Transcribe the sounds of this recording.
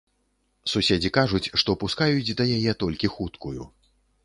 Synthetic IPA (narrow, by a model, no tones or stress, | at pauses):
susʲed͡zʲikaʐut͡sʲʂt̪ɔpuskajut͡sʲd̪ɐjajɛt̪ɔlʲkʲixut̪kuju